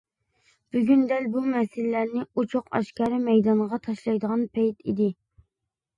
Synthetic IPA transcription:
b̥yɡʲynd̪ɛlbumɛsɪlːæɾnɪut͡ʃʰoqɑ̰ʃkɑɾɨmɛjd̪ɑɴʁɑt̪ʰɑʃlˠɑjd̪əʁɑnpʰɛjt̪ʰid̪ɪ

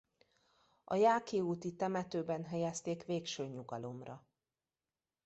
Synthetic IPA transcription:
ɒ̰jaːkeːuːt̪it̪ɛmɛt̪øːbɛnɦɛjɛst̪eːkʋeːkʃøːɲuɡɒlo̞mrɒ

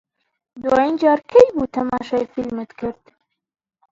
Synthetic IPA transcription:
d̪uwɑːind͡ʒɑːɾkʰejbuːt̪ʰɐmɑːʃɑfilmɛt̪kʰɨɾd̪̥

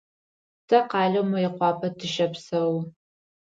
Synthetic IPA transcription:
tʰɐqɑːɮɐwmɐjɪqʷɑːpʰɐtʰɨʃɐpsɐw

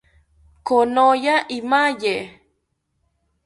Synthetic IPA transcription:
konojaʔimaje

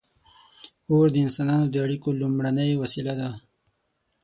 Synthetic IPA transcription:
oɾd̪əɪnsɑnɑnod̪əaɽikolumɽanəjwasilad̪a

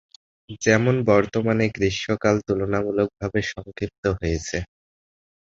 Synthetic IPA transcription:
d͡ʑɛmonbɔɾt̪omaneɡɾiʃːokalt̪ulonamulok̚bʱabeʃɔŋkɾip̚t̪oɦojet͡ɕʰe

